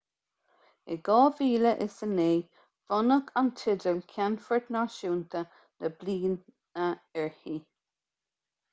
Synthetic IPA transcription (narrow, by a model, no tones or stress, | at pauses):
ɪɡɔːviːləʔɪsəneː | v̥ɔnəkʰantʰɪdəlkʲʰanfəɹd̪naʃuːnt̪ʰə | nəbliːn | əɛɹhi